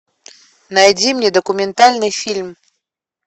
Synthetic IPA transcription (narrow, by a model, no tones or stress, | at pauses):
najdʲimnʲɛd̪ɐkʊmʲɪnt̪alʲnɨjfʲilʲm